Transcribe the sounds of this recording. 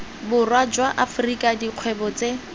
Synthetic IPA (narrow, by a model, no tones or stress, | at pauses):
bʊrwad͡ʒwaʔafrikʼadiq͡χʰwɛbɔt͡se